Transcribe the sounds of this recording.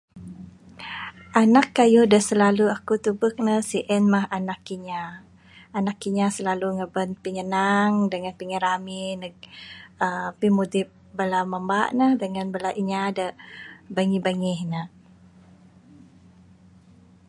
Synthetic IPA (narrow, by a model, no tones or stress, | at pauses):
ʔanakːajudəsəlaluakut̪ubək̚nəhsiʔənmaɦanakːiɲaː | nakːiɲasəlaluŋəbənpiŋənaŋdəŋanpiŋəɾaminə | əpimudɪp̚bəlaməmbaʔnəhdəŋanbəlaʔiɲadəbəŋibəŋihnəh